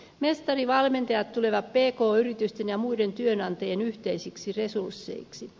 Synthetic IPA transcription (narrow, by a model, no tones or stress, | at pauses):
me̞st̪ɑriʋɑlment̪ɑjɑt̪t̪ːule̞ʋɑppe̞ːkoːyɾit̪yst̪enjɑmuide̞nt̪yønɑnt̪ɑjenyht̪eisiksire̞sursːḛiksi